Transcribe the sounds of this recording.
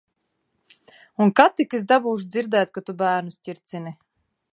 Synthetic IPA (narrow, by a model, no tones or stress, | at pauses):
unkat̪ːikesd̪abuːʃ̬d̪ziɾd̪ɛːjt̪̚kat̪ubæːɾnusʲcʲiɾt̪sini